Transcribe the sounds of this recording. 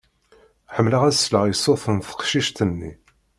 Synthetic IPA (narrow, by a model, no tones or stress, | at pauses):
ħəmːləʁæssləʁjəsˤːoθənθə̥qʃiʃt̪ənːḭ